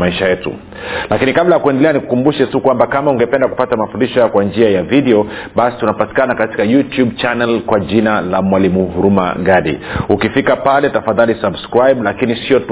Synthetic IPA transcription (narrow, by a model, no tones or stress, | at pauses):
maiʃajɛtṵ | lakinikablajakuɛndɛlɛaniku̥kumbuʃɛtukwambakamauŋɡɛpɛndaku̥patamafundiʃɔjakwand͡ʒiajavidɛɔɓasi̥tunapati̥kanakati̥kajutjubt͡ʃanɛlkwaʄinalamwalimuɦuɾuma̰ɡaɗḭukifikapalɛtafaðalisabskɾajblakinisiɔt